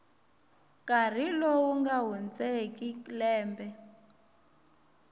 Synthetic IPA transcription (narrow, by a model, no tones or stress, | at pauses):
kʼar̤ilowuŋɡaɦund͡zɛkʼiklɛːmbɛ